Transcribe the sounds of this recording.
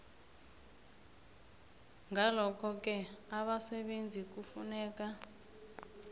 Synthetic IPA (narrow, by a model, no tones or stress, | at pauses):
ŋɡʱalɔkɔkɛaβasɛɓend͡zʱikufunɛːka